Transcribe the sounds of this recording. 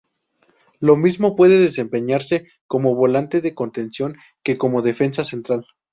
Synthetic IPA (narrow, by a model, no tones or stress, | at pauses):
lo̞mizmo̞pwe̞ðe̞ðe̞se̞mpe̞ɲaɾse̞ | ko̞mo̞βo̞lant̪e̞ðe̞ko̞nt̪e̞nsjo̞ŋ | ke̞ko̞mo̞ðe̞fe̞ns̬ase̞nt̪ɾal